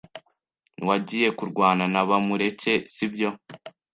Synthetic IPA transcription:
niwaɟiːje̞kuɾɡwaːnanaβamuɾe̞ce̞sibɟo̞

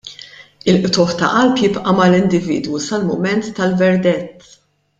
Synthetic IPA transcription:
ɪlʔt̪ʊħt̪ɐ̰ʔɐlpjɪpʔɐmɐlɪnd̪ɪvḭːd̪wusɐlmʊmɛnt̪ːɐlvɛɾd̪ɛt̪ː

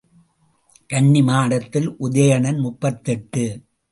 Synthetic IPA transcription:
kɐɳːɪmaːɽɐt̪ːɪlʔʊðɐjɐɳɐnmʊpːɐt̪ːɛʈːɯ

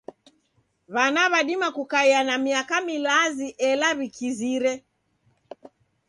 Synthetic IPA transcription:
βanaβaɗimakukaianamiakamilaziʔɛlaβikiziɾɛ

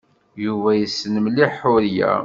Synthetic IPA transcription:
juvæjəsːnəmliħʊɾjæ̰

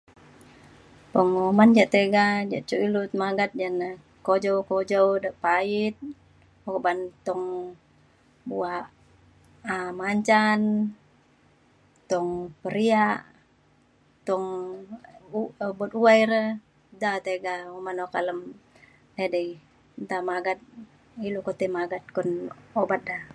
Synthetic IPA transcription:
pɔŋomand͡ʒaʔt̪eɡad͡ʒaʔt͡ʃuilut̪maɡat̪̚d͡ʒanə | kod͡ʒowkod͡ʒɔwdəʔpait̪̚ | okbant̪ɔŋ | buaʔ | maɲt͡ʃan | t̪ɔŋpəɾiaʔ | t̪ɔŋ | but̪uajɾə | dat̪eɡaumanokaləm | edəi | nt̪amaɡat̪̚ | ilukot̪emaɡat̪̚kɔnobat̪̚da

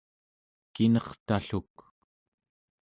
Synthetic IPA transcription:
kinʌχt̪aɬuk

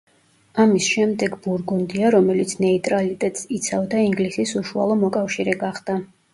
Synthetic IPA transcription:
amisʃɛmd̪ɛɡbuɾɡund̪iaɾɔmɛlit̪sʰnɛit̪ʼɾalit̪ʼɛt̪ʼsit̪sʰavd̪aiŋɡlisisuʃua̰lˠɔmɔkʼafʃiɾɛɡaχd̪̥a

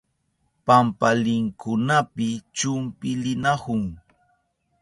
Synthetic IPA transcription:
pampalɪŋkʰʊnapɪt͡ʃʊmpɪlɪnahʊŋ

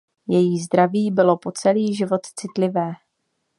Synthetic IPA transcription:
jɛjizd̪ɾaviːbɪlo̞po̞t͡sɛliːʒɪvo̞t̪t͡sɪt̪lɪvɛː

